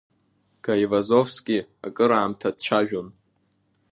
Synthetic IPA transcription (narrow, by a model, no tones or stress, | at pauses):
ɡ̥ajvazo̞fskʲʼiakʼɨɾaːmtʰad̚t͡ɕʷʰaʒᶣon